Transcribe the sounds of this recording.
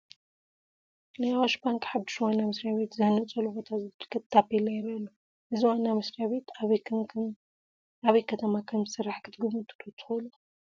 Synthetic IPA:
najawaʃbaŋkʼħabd̪iʃwanːamɨsɾijaβe̞t̪zahnɐt͡sʼɐlubot̪ʰazɨbɨkʰːɨt̪t̪ʰːapːelɐjɪɾɐlːu | ʔɨziwanːamɨsɾijaβe̞t̪ʰ | aβɐjkʰɐt̪ʰɐmakʰɐmɨsɨɾːaħkʰɨt̪ɡɨβɨt̪ʰʼːɨ̥t̪ʰot̪ʰɨ̥xolu

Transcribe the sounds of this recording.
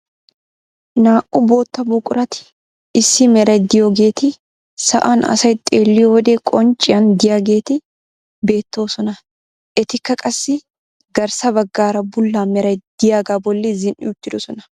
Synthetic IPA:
naːʔʼʊbo̞ːt̪ːɐbuːkʼʊɾɐt̪ɪ̥ | ɪsːɪmɛɾɐjd̪ɪjoːɡe̞ːt̪ɪ | sɐ̰ʔɐnɐ̰sɐjt̪ʼeːlːɪjɔwɔd̪ekʼɔnt͡ʃʼːɪjɐnd̪ɪjaːɡe̞ːt̪ɪ | be̞ːt̪ːo̞ːsɔnɐ | ʔɛt̪ɪkːɐkʼɐsːɪ | ɡɐɾsɐbɐɡːaːɾɐbʊlːaːmɛɾɐjd̪̥ɪjaːɡaːbɔlːɪzɪnʔɪ̰ʊt̪ːɪd̪ɔsɔnɐ

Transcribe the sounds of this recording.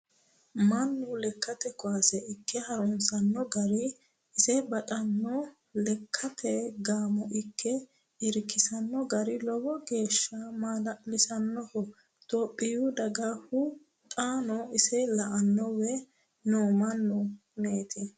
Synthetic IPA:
mɐnːulɛkʰːɐt̪ɛkʊaːsɛʔɪkːɛhɐɾʊnsɐnːɔɡɐɾɪ | ɪsɛbɐt̪ʼɐnːɔ | lɛkʰːɐt̪ʰɛɡaːmɔʔɪkʰːɛ | ɪɾkːɪsɐnːɔɡɐɾɪlɔwɔɡe̞ːʃːɐmalɪsɐnːɔhɔ | t̪ʼoːpʼːɪjud̪ɐɡɐhʊ | t̪ʼaːnɔɪsɛlɐʔɐnːɔwɛ | noːmɐnːʊ | meːt̪ɪ

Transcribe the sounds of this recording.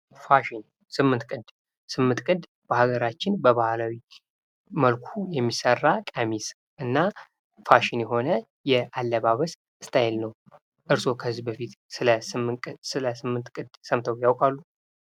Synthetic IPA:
faʃin | sɨmːɨnt̪̚kʼɨd̪̥ | sɨmːɨnt̪kʼɨd̪ | b̥əhaɡəɾat͡ʃːɪnbəβahalawi | məlkʰujɛmːisərːakʼəmis | ʔɨnːa | faʃɪnjɛɦo̞nə | jɛʔalːəβaβəs | ɨst̪ʰajɛlnəw | ʔɨɾso̞kʰəzːibəfit̪sɨləsɨmʼsɨləsɨmːɨnt̪kʼɨd̪səmt̪ʰəwjawkʼalːu

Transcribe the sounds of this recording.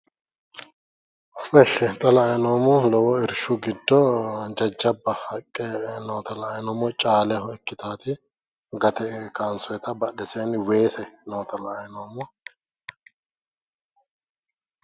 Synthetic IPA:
mɛʃːɛt̪ʼɐlɐːjnoːmʊlɔwɔɪɾʃʊɡɪd̪ːɔd͡ʒɐd͡ʒːɐbːɐhɐkʼːɛnoːt̪ɐlɐːjnɔːmɔt͡ʃʼaːlɛhɔɛkːɪt̪aːt̪ɪ | ɡɐt̪ɛkaːnsʊjɛt̪ɐbɐɗɛseːnwe̞ːsɛnoːt̪ɐlɐːjnoːmɔ

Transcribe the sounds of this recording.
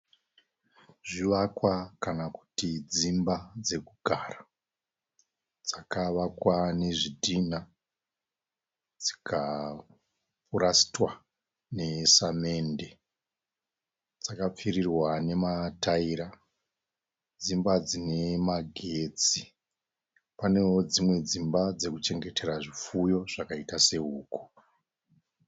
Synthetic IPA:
ʐiʋakwakanaku̥tid͡zimbad͡ze̞kuɡʱara | d͡zakaʋakwane̞ʐidʱina | d͡zi̥kʰa | purasi̥twa | nesame̞nde̞ | d͡zakap͡firirwane̞mataiɾa | d͡zimbad͡zine̞maɡʱeːd͡zi | pane̞wod͡zimwe̞d͡zimbad͡ze̞kut͡ʃe̞ŋɡe̞te̞ɾaʐifujo̞ʐ̥akaitase̞uːku̥

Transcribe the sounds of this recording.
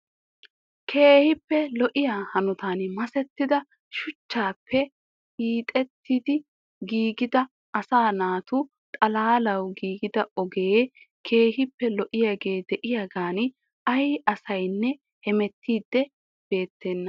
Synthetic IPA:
kʰe̞ːhɪpːɛlɔʔɪjaːhɐnʊt̪aːnmɐsɛt̪ːɪd̪ɐ | ʃʊt͡ʃːaːpːɛ | hiːt̪ʼɛt̪ːid̪ɪ | ɡiːɡɪd̪ɐ | ɐsaːnaːt̪ʊ | t̪ʼɐlaːlɐwɡiːɡɪd̪ɐʔɔɡe | kʰe̞ːɦɪpːɛlɔʔɪjaːɡe̞ːd̪ɛʔɪjaːɡaːn | ʔɐjɐsɐjnːɛ | hɛmɛt̪ːiːd̪ːɛ | b̥e̞ːt̪ːeːnːɐ

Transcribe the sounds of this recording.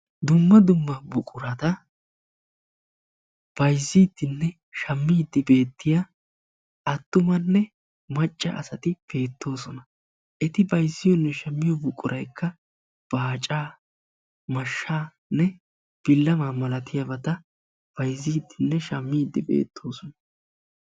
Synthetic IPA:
d̪ʊmːɐd̪ʊmːɐbʊkʼʊɾɐt̪ɐ | b̥ɐjzːiːd̪ːɪnːɛ | ʃɐmːiːd̪ːɪbe̞ːt̪ːɪja | ʔɐt̪ːʊmɐnːɛ | mɐt͡ʃʼːɐ̰ʔɐ̰sɐt̪ɪb̥e̞ːt̪ːo̞ːsɔnɐ | ʔɛt̪ɪbɐjzːɪjɔnːɛʃɐmːɪjɔbʊkʼːʊɾʔɐjkʰːɐ | b̥aːt͡ʃʼaː | mɐʃːaː | nɛ | b̥ɪlːɐmaːmɐlɐt̪ɪjabɐt̪ɐ | b̥ɐjzːiːd̪ːɪnːɛʃɐmːiːd̪ːɪbḛːt̪ʰːo̞ːsɔnɐ

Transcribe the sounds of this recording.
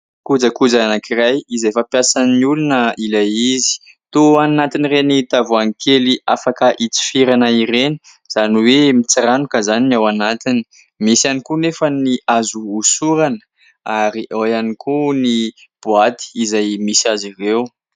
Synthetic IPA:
kud͡zəkud͡zaanakirajizefapjasanniulunəilaizi̥ | t̪oannat̪inirenit̪avuaŋikʰeliʔafakəʔit͡si̥fiɾanəiɾeni̥ | z̥aniwemit͡saɾanukəzaninawanat̪ini̥ | misianikunefəniazuːsuɾanə̥ | aɾiʔajanikunib̥uat̪i̥ːzajmisiazirew

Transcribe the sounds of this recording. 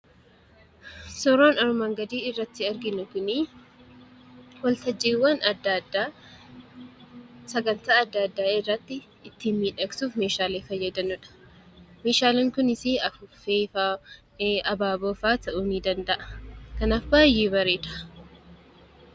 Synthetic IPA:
sɔɾoːnɐɾʊmɐŋɡɐd̪iːɪrːɐt̪ːɪɐɾɡɪnʊkʊni | wɐlt̪ɐd͡ʒːeːwːɐnɐd̪ad̪a | sɐɡɐnt̪aːɐd̪ːad̪ːaːɪrːɐt̪ːɪ | ɪt̪ːinmiːᶑɐksuːfmeːʃaːleːfɐjːɐd̪ɐnʊᶑɐ̥ | meːʃaːleːŋkʊnɪsiːɐfʊfeːfa | ɐbaːboːfaːt̪ʰɐʔuːniːd̪ɐnd̪ɐʔɐ̥kɐnaːfbaːjːeːbɐɾeːᶑ̪ɐ̥

